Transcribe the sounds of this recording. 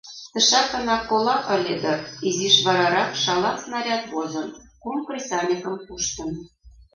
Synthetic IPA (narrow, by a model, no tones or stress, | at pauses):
t̪ɤ̆ʃɑkɤ̆nɑkːolˠɑʔɤ̆lʲed̪ɤ̆iziʃβɑɾɑɾɑkʃɑlˠɑsnɑɾʲɑt̪βozɤ̆nkumkrʲisʲɑnʲikə̆mpuʃt̪ɤ̆n